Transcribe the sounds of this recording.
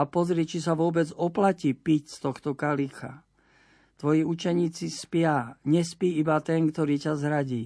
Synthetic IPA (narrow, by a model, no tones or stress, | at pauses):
apɔzɾɪɛːt͡ʃis̬aʋʊɔbɛd͡zɔplaciːpicst̪ɔxt̪ɔkalixa̰ | t̪ʋɔjiut͡ʃɛɲiːt͡sispɪaɲɛspiːibat̪ɛnkt̪ɔɾiːcazɦɾaɟiː